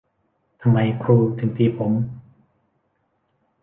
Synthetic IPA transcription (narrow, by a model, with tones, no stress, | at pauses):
t̪ʰa˧mːa˧jkʰɾuː˧t̪ʰɯ˩˦ŋt̪ʰiː˧pʰo˩˦m